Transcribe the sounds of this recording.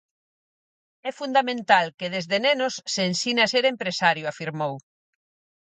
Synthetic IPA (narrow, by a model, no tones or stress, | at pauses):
ɛfund̪amẽnt̪alkeðezðenenosːeːnsinaseɾempɾesaɾjʊafiɾmow